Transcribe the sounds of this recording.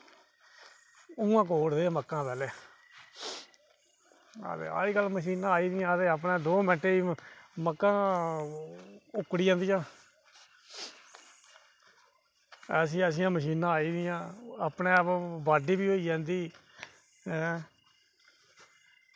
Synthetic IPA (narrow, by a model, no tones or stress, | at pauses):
ũãːk̬oːɽd̪eːməkːãːpɛːleː | a̰t̪ḛːa̰ːɾiːkəlːməʃiːnãːaːiːd̪ɪjãːət̪eːap̬nãːd̪oːmɛ̃ːʈeːiːməkːãː | ʊkːɽiːd͡ʒãːnd̪ijãː | s̬ĩːəs̬ĩːãːməʃiːnãːiːd̪ɪjãːapneːapbaːɖiːbiːoːiːd͡ʒãːnd̪iː | ɛ̃ː